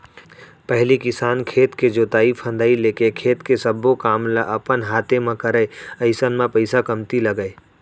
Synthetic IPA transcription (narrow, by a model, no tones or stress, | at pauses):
pəɦlikɪsaːnkʰeːt̪ked͡ʒot̪aːipʰə̃nd̪aːileːkekʰeːt̪kesəbokaːmlaʔəpənɦaːt̪ʰemẽkəɾəəɪsənmẽpəɪsakəmt̪ilɐɡəe